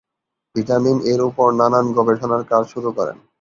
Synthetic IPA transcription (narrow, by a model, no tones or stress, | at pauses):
b̥iʈamineɾupoɾnananɡɔbeʈʰonaɾkaɾʃuɾukɔɾḛn